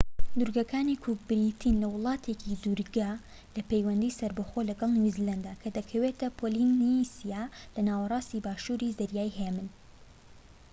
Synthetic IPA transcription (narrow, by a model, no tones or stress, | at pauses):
d̪uɾɡɐkʰaːnikʰuɡ̚bɪɾit̪ʰinlɐwʊlˠɑːt̪ʰecʰid̪uɾɡa | lɐpejwɐnd̪iːsɐɾbɐxolɐɡɑlˠnjuziland̪aːkʰɐd̪ɐkʰɐwet̪ɐpʰolinisijalɐnaːwɐrˤɑːst̪ibaːʃuːɾizɐɾjaːjɦeːmɨn